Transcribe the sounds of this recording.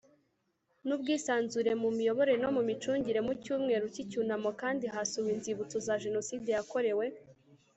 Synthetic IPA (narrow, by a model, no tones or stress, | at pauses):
nubɡiːsaːnzuɾe̞mumijo̞βo̞ɾeno̞mumit͡ʃuːɲɟiɾe̞mucuːmŋe̞ːɾucicunamo̞kaːndiɦasuwinziβut͡sozaʒe̞no̞siːde̞jako̞ɾe̞we̞